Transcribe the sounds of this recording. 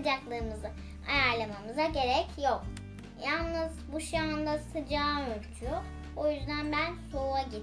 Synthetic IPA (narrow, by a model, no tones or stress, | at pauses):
d͡ʒaklˠɯɯmɯzɯ | ajaɾlˠamamɯzaɟe̞ɾɛcjo̞k̚ | jalˠnɯzbuʃand̪asɯd͡ʒaːnøɾʲt͡ʃʰyo | ojyzd̪ænbænsouaɟi